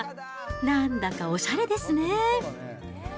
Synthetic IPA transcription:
nãnd̪akao̞ɕaɾe̞d̪e̞sɨne

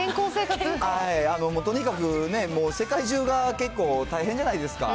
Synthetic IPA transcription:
ẽŋkoːse̞ːkat͡sɨhaiano̞moːt̪o̞ɲ̟ikakɯ̟ne̞moːse̞kaiʑɨːɡake̞kːo̞ːt̪aiɦẽɲ̟d͡ʑanaid̪e̞sɨ̥ka̰

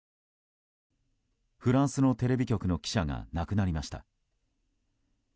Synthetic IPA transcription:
ɸɯ̟ɾãɰ̃sɨno̞t̪e̞ɾe̞bʲikʲo̞kɯno̞kʲi̥ɕaŋa̰nakɯ̟naɾʲimaɕi̥t̪a̰

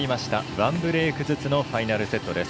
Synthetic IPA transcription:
imaɕi̥t̪aβãmbɯ̟ɾe̞ːkɯ̟zɨt͡sɨno̞ɸainaɾɯ̟se̞t̪ːo̞d̪e̞s

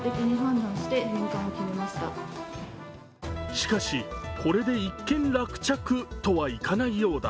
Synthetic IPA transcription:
t̪ekʲiɲ̟iɦãnd̪ãɰ̃ɕi̥t̪e̞hĩŋkãɰ̃okʲimemaɕi̥t̪a | ɕi̥kaɕikʰo̞ɾe̞d̪e̞ikːẽ̞nɾakɯ̟̥t͡ɕakɯ̟t̪o̞βaikanaijo̞ːd̪a̰

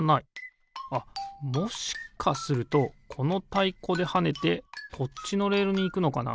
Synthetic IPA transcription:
nai | amo̞ɕi̥kʰasɨɾɯ̟t̪o̞kʰo̞no̞t̪aiko̞d̪e̞hane̞t̪e̞kʰo̞tːino̞ɾe̞ːɾɯɲ̟iːkɯ̟no̞kana̰

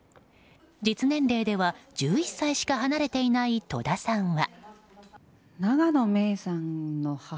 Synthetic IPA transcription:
d͡ʑit͡sɨnẽ̞nɾe̞ːd̪e̞βad͡ʑɨːisːaiɕi̥kaɦanaɾe̞t̪e̞inait̪o̞̰d̪asãɰ̃βa | naɡano̞me̞ːsãnnoha

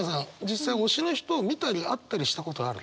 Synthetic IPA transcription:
asãŋd͡ʑisːaio̞ɕinoçi̥t̪o̞ːmʲit̪aɾʲiat̪ːaɾʲiɕi̥t̪ako̞t̪o̞ɡaɾɯ̟̰

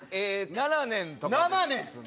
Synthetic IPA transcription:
enananẽnt̪onananẽ

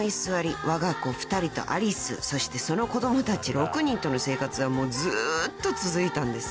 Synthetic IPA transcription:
isɨβaɾʲiβaɡako̞ɸɯ̟̥t̪aɾʲit̪o̞̰ʔa̰ɾʲisɨ̰so̞ɕi̥t̪e̞so̞no̞ko̞d̪o̞mot̪at͡ɕiɾo̞kɯ̟ɲ̟ĩnt̪o̞no̞se̞ːkat͡sɨβamo̞ːzɨt̪ːo̞t͡sɨzɨit̪ãnd̪e̞s

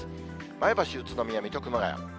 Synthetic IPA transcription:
maebaɕiɯt͡sɨnomʲijamʲit̪ʲokɯ̟maɡa̰ja̰

